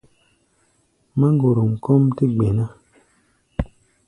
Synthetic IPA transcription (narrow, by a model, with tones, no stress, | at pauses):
ma˦ŋ˦ɡo˨ɾu˨ŋ̩˨kɔ˦mti˦ɡ͡be˨na˦